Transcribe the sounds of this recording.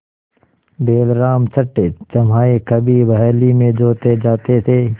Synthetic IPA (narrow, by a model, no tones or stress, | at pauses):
beːlɾaːmt͡ʃʰɐʈːet͡ʃɐmɦaːekɐbʱibɐɦɛːlimẽd͡ʒoːt̪ed͡ʒaːt̪et̪ʰeː